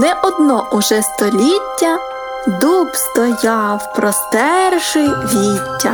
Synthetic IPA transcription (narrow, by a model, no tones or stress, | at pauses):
nɛʔɔd̪nɔʔʊʒɛst̪ɔlʲitʲːɐ | d̪upst̪ɔjɑwpɾɔst̪ɛrʒɪjʋʲitʲːɐ̰